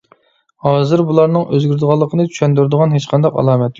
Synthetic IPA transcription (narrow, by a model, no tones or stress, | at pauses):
hɑːzɨɾbulˠɑɾnɨŋøzɡʲyɾd̪ɨʁɑlˠːəqʰənɨt͡ʃ̪ʰy̥ʃɛnd̪yɾd̪ɨʁɑnɦet͡ʃqʰɑnd̪ɑqɑ̰lˠɑːmɛt̪